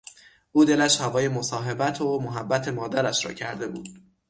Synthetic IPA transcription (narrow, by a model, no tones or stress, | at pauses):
ʔuːd̪e̞læʃhævɒːje̞mo̞sɒːɦebæt̪ʰomoɦæbːæt̪ʰe̞mɒːd̪æɾæʃɾɒ̰ːcʰæɾd̪e̞bṵːd̪̥